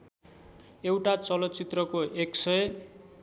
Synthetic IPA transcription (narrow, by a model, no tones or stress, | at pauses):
ewʈat͡sʌlʌt̪t͡sit̪rʌkoʔeksʌj